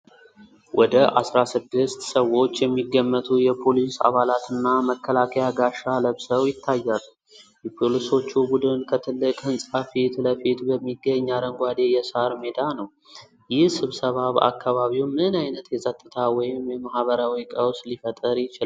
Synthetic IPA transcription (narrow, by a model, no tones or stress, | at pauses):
wʔɔd̪əʔasɾasɨd̪ːɨst̪səwo̞t͡ʃːjɛmːiɡːəmːət̪ʰʼujɛpʰo̞lisa̰βalat̪ɨnːaməkːəlakʰəjaɡaʃaləβsəwjɪt̪ʰːajːalu | jɛpʰoliso̞t͡ʃːubud̪ɨnkʰət̪ʰɨlːɨkʼhɨnsʼafit̪ləfet̪bəmːiɡːəɲːad̪əŋɡʷad̪ejɛsaɾmed̪anəw | jɪhsɨβsəβaβa̰kʰːaβaβiwmɨnajnət̪jɛzʼət̪ʼːɨt̪ʰawɔjɪmjɛmahβəɾawikʼəwslifət̪ʼəɾjɪt͡ʃɪl